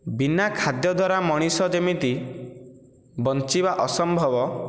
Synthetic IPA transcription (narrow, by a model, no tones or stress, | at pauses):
binakʰad̪jɔd̪ʱwaɾamɔɽ̃isɔd͡ʒemit̪i | bɔnt͡ʃibaʔɔsɔmbʱɔbɔ